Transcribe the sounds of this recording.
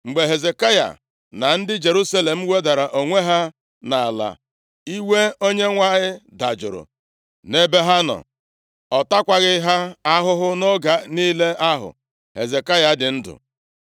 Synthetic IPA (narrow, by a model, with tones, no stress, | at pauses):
ŋ͡m̩˨ɡ͡be˨ɦe˨ze˨ka˦ja̰˨ | na˨n̩˦dɪ˦d͡ʒe˨ɾu˦sa˦le˨m̩˦we˦da˨ɾa˨ʔo˨ŋʷe˦ɦa˦ | na˨a˨la̰˨ | i˦we˦o˦ɲe˦ŋʷa˦ɲɪ˦da˨d͡ʒʊ̰˨ɾʊ̰˨ | ne˦be˦ɦa˦nɔ̰˨ | ɔ˨ta˦kʷa˨ɣɪ˦ɦa˦a˦ɦʊ˦ɦʊ˦no˦ɡa˨niː˦le˦a˦ɦʊ̰˨ | ɦe˨ze˨ka˦ja˨dɪ˨n̩˦dʊ̰˨